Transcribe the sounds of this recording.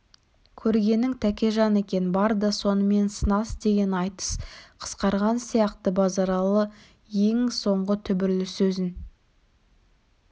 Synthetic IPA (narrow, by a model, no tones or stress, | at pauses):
kʲʰɵɾɡʲe̞nːɪŋt̪ʰækʲe̞ʒɑne̞kʲe̞nɪbɑɾd̪ɑso̞nəme̞nsənɑsd̪e̞ɡʲe̞nɑjt̪ə̥sqʰə̥sqɑɾʁɑnsijɑqt̪əbɑzɑɾɑlˠə | je̞ŋso̞ɴʁət̪ʰʏbɪɾlɪsɵzɪn